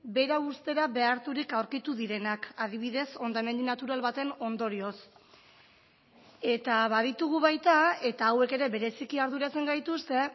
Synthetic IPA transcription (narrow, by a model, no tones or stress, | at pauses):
be̞ɾaust̪e̞ɾaβe̞aɾt̪uɾikawɾkit̪uðiɾe̞nakað̞iβ̞iðe̞so̞nd̪aeme̞nd̪inat̪uɾalβat̪e̞no̞nd̪o̞ɾio̞s | e̞t̪aβað̞it̪uɣ̞uβajt̪ae̞t̪aːwe̞ke̞ɾe̞βe̞ɾe̞sikiaɾðuɾat͡se̞ŋɡajt̪ust̪e̞